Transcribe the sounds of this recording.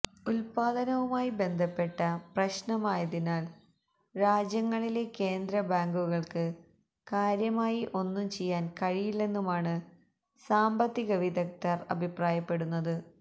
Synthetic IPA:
ulpaːd̪ɐnɐʋumaːjibe̞nd̪ʱɐpːe̞ʈːɐprɐɕnɐmaːjɐðinaːl | ɾaːd͡ʑjɐŋːɐɭile̞ke̞ːnd̪ɾɐbaːŋɡuɣɐɭkɨ | kaːɾjɐmaːjiʔo̞nːumt͡ɕe̞jːaːnkɐɻijilːe̞nːumaːɳɨ | saːmbɐt̪ːiɣɐʋid̪ɐk̚tɐrɐ̰bʱipraːjɐpːe̞ɽunːɐðɨ

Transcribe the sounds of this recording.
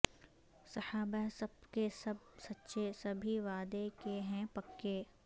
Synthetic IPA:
sɐhaːbasɐbkesɐb̚ | sɐtːʃesɐbʱiʋaːd̪ekeɦɛ̃pɐkːeː

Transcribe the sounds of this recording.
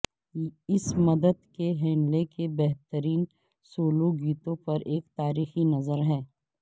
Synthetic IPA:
ɪsmɐd̪əd̪keɦɛːnlekʰebɛɦt̪əɾiːn | soːloɡiːt̪õpɐɾeːkt̪aːɾiːxinɐzəɾɦɛː

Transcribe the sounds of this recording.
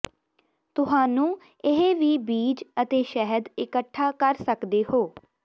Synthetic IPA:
t̪ʊsaːnũː | ɪɦeːʋiːbiːd͡ʒət̪eːʃɛɦəd̪ɪkəʈʰːaːkəɾsəkd̪eːhoː

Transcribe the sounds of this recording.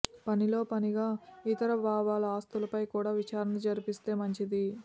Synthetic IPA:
pɐnilo̞ːpɐniɡaːit̪ɐɾɐbʱaːʋaːlɐaːst̪ulɐpɐjkuːɽaːʋit͡ʃaːɾɐnɐd͡ʒɐɾipist̪e̞ːmɐɲt͡ʃid̪i

